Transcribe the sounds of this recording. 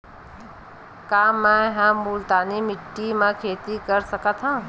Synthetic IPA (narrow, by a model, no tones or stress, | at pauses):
kaːmɛ̃ɦãmult̪aːnimɪʈːimãkʰeːt̪ikəɾsəkət̪ʰɦã